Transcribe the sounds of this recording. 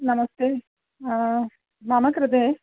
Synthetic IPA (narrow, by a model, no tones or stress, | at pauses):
nɐmɐst̪eː | a | maːmɐkɾɐd̪e